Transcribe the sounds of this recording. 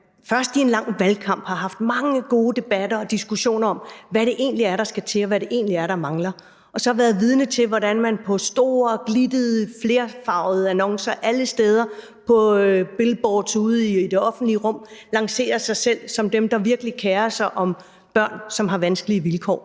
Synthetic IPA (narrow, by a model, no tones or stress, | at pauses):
fɶɐsd̥ie̝nlɑ̈ŋ̰ʋælkʰɑ̈m̰b̥hɑ̈ɦɑ̈fd̥mɑ̈ŋəɡ̥o̝ːd̥e̝b̥æd̥ɐɒ̽d̥isɡ̥uɕo̝̰ːnɐɒ̽m̰ʋæɾe̝ʔe̝̰ːnliæɐɾɑ̈sɡ̥æt͡sʰe̝ɒʋæɾe̝ʔe̝̰ːnliæɐɾɑ̈mɑ̈ŋlɐ | ʔɒ̽sɒ̽hɑ̈ʋæːɐðˠʋið̞ˠnət͡sʰe̝lʋɒɾænmænpʰɒ̽sd̥o̝ːɐɡ̥lid̥əð̩ˠəfle̝ːɐfɑ̈ʊð̩ˠænɒ̽ŋsɐʔæləsd̥eːð̞ˠɐ | pʰɒ̽b̥e̝lb̥ɒːd̥suð̩ˠid̥e̝ɒ̽fn̩d̥liəʁɔ̽m̰lɑ̈ŋse̝̰ːɐsɑ̈ɪsel̰sɒ̽md̥emd̥ɑ̈ʋiɐɡ̥əlikʰeːɐsɑ̈ɪʔɒ̽m | b̥ɶɐ̰nsɒ̽mɦɑ̈ʋænsɡ̥əliəʋilkʰɒ̰ː